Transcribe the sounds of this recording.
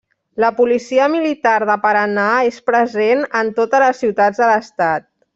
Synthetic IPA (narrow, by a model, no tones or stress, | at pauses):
ləpulisiəmilit̪aɾðəpəɾənaespɾəzenənt̪ot̪ələsːiwt̪ad͡zðələst̪at̪̚